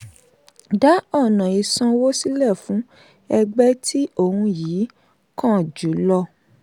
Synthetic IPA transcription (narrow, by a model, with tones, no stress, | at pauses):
da˨˦ɔ˦˨nã˨i˨sã˧wo˦si˦lɛ˦˨fũ˨˦ | ɛ˧ɡ͡bɛ˦tʰi˦o˦˨hũ˧jiː˨˦ | kã˦˨d͡ʒu˨˦lɔ˧